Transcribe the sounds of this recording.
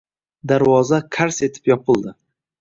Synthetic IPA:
d̪aɾwɒzakʰaɾse̞t̪ʰɪ̥pjɒpʰɨlˠd̪ɪ

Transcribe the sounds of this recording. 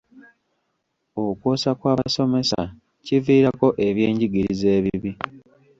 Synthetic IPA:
okwoːsakwaːβaso̞me̞sa̰ | civiːɾako̞ʔe̞βje̞ːɲɟiɡiɾize̞ːβiβi

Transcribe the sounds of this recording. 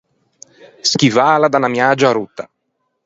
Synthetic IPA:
sk̟ivaːlad̪anamjaːd͡ʒaaɾut̪ːa

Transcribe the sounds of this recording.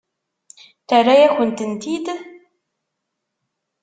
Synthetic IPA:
t̪arːajæxʷʊnt̪ənt̪id̪

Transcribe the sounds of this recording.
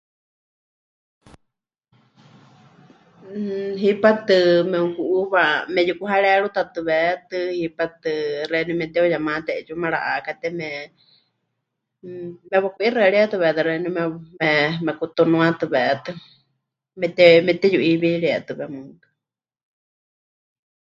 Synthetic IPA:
ɦipat̪ɨmɛũkuʔuβamɛjukuɦaɺɛɺut̪at̪ɨβɛt̪ɨhipat̪ɨrɛnimɛt̪ɛojamãt̪ɛʔɛt͡ʃumɛɺa̰ʔakat̪ɛmɛ | mɛβakʷʔirɛaɺiat̪ɨβɛt̪ɨrɛnimɛmɛmɛkut̪unũãt̪ɨβɛʔɛt̪ɨ | mɛt̪ɛmɛt̪ɛjuʔiβiɺiɛt̪ɨβɛmɨŋkḁ

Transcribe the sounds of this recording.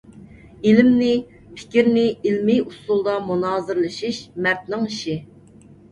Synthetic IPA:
ilɪmnɪ | pʰɪ̥kʲiɾnɪilmɪusulˠd̪ɑmunɑːzɨɾlˠɨʃiʃmɛɾt̪nɪŋiʃi

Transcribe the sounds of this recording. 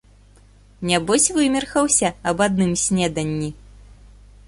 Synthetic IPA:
nʲabɔsʲvɨmʲɛrxɐwsʲɐɐbad̪̚nɨmsʲnʲɛd̪ɐnʲːi

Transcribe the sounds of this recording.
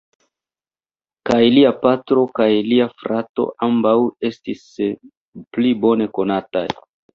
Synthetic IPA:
kajliapatɾo̞kajliafɾato̞̰ʔambawe̞stis | plibo̞ne̞ko̞nata̰j

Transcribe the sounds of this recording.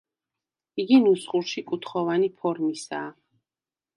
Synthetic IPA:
iɡinusχuɾʃikʼut̪ʰχɔvanipʰɔɾmisaː

